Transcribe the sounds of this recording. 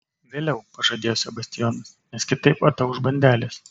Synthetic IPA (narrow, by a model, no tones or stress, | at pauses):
ʋʲeːlʲɛʊpɐʒɐd̪ʲeːjoːsʲɛbɐsʲt̪ʲɪjɔnɐsnʲɛskʲɪt̪ɐɪpɐt̪ɐʊʊʒbɐnʲd̪ʲæːlʲeːs